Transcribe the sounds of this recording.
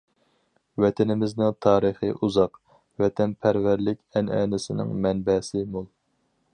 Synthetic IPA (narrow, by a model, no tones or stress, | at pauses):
wɛt̪ʰɪnɪmɪznɪŋt̪ʰɑːɾɨχɨʔuzɑq | wɛt̪ʰɛnpʰæɾvæɾlɪkʲɛnɛ̰ːnɪsɪnɪ̰ŋmɛnbɛsɪmolˠ